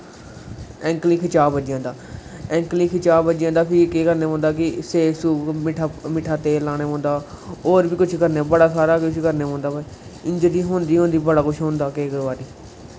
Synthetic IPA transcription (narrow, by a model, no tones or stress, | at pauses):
ɛ̃ːŋkliːkʰɪt͡ʃaːbəd͡ʒjãːnd̪aːɛ̃ːŋkliːkʰɪt͡ʃaːbəd͡ʒjãːnd̪aːpʰɪkeːkəɾneːɦõːnd̪aːkɪseːsuːmɪʈʰaːmɪʈʰaːt̪eːlaːɽ̃eːɦõːnd̪aː | oːɾbiːkʊt͡ʃʰkəɾneːbəɽaːsaːɾaːkʊt͡ʃʰkəɾneːõːnd̪aːba | ɪ̃ɲd͡ʒd̪iːɦõːnd̪iːɦõːnd̪iːbəɽaːkʊt͡ʃʰɦõnd̪aːkeːkʋaːɾiː